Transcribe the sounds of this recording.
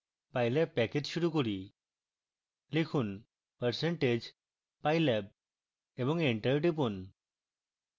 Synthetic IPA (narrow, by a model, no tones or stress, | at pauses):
pajlɛp̚ːɛked͡ʑʃuɾukoɾi | likʰun | pəɾseɳʈed͡ʒ | pajlɛb̚ | ebɔŋeɳʈəɾɖip̬un